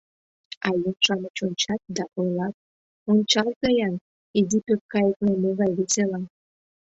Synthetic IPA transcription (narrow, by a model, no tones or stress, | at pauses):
ɑjɤmʃɑmət͡ɕonʲt͡ɕɑt̪̚d̪ɑʔojlɑt̪̚ | ont͡ɕɑlt̪ɑjɑn | id̪ipøk̚kɑjəklɑmoɣɑjβeselɑn